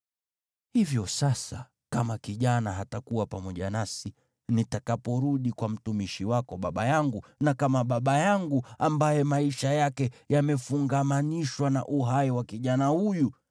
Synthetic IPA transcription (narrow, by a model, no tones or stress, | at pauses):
hivjɔsasa | kamakiʄanaɦatakuwapamɔʄanasi | nitakapɔɾuɗikwam̩tumiʃiwakɔɓaɓajaŋɡunakamaɓaɓajaŋɡuambajɛmaiʃajakɛjamɛfuŋɡamaniʃwana̰ʔuɦaiwakiʄanahuju